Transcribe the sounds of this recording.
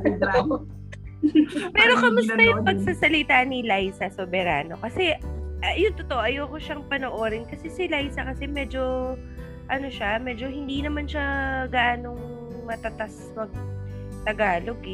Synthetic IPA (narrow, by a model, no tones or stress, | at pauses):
pɛːɾo̞kɐmʊsɐjʊŋpɐɡ̚sasɐlɪt̪aːnɪlajsɐsobɛɾa̰ːno̞̰kɐsɛ | jʊŋt̪ot̪oʔoʔɐjoːkoʃɐŋpɐnoʔo̞ːɾɪnkɐsɛsɪlajsɐkɐsɛmɛːd͡ʒo̞ | ʔɐno̞ʃamɛd͡ʒo̞hɪnd̪inɐmanʃɐɡaːno̞ŋ | mɐt̪ɐt̪as | mɐɡ̚ | t̪ɐɡaːlo̞ɡ